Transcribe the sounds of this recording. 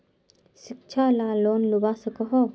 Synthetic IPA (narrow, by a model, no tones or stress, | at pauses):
ʃɪkt͡ʃʰalaːloːnlubasəkəɦo